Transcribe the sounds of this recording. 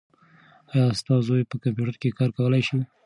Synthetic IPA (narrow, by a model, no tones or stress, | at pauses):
ɑjɑst̪ɑzojpəkamp̬juʈəɾkekɑɾkawəlajʃi